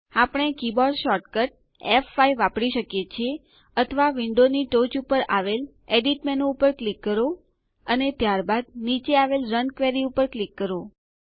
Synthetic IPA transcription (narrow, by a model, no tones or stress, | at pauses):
apəɽ̃ekibɔɾɖʃɔʈkəʈ̚ | efːaiʋːapɽiʃəkjet͡ʃʰie | ət̪ʰəʋaʋiɳɖoniʈot͡ʃupəɾʔaʋel | eɖiʈmɛnoupəɾklikːəɾo | ənet̪jaɾbad̪̚nit͡ʃeaʋelɾənkʋeɾiupəɾklikːəɾo